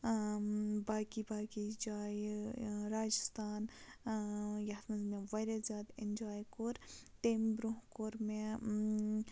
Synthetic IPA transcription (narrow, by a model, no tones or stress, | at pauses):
baːkibaːkid͡ʒaːjɾaːd͡ʒəst̪ʰaːn | jat̪mɐzmẽʋɐɾezʲaːd̪end͡ʒaːjkoːɾt̪eːmbɾoɦkoːɾme